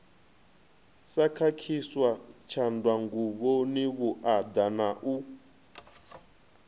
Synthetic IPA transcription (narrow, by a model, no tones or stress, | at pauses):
sakʰakʰiswat͡ʃʰandwaŋɡuβoniβuʔad̪anaʔu